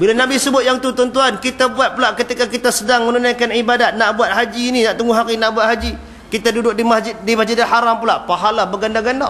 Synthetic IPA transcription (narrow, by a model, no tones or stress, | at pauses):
bilanabisəbʊt̪̚jaŋt̪ut̪ɔnt̪uankit̪abuat̪̚pulaʔkət̪ikakit̪asədaŋmənunajkanibadat̪̚naʔbuat̪̚ɦad͡ʒiːninaʔt̪əŋɡuɦaɾinaʔbuat̪̚ɦad͡ʒi | kit̪adudʊk̚dimad͡ʒ̚dimad͡ʒidanɦaɾampulaʔpaɦalabəɡandaɡana